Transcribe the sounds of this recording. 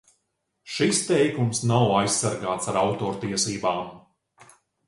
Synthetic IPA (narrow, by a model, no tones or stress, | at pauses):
ʃist̪ɛjkumsnawajsːaɾɡaːt̪saɾawt̪ɔːɾt̪iɛsiːbaːm